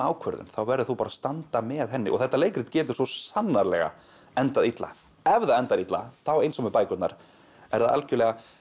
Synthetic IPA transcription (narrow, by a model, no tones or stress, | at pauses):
awkʰvœɾðʏ̰mθawvɛɾðʏθupaːɾast̪ant̪amɛːðɦɛnːɪ̰ʔɔ̰ɣθɛht̪ːaleːjkɾɪt̪cɛːt̪ʏ̥svɔsanːaɾlɛ̰ɣa̰ | ɛnt̪aðit̪la̰ | ɛvðaɛnt̪aðit̪la̰θawejnsɔmɪpaːjkʏt̪na̰ɾ̥ | ɛ̰ɾðaða̰lcʏɾlɛɣa